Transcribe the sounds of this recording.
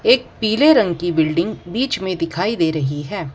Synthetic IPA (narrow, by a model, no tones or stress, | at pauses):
eːk̚piːleɾɐ̃ŋɡkibɪlɖɪ̃ŋɡbiːt͡ʃmẽd̪ɪkʰaːid̪eːɾɐɦiɦɛː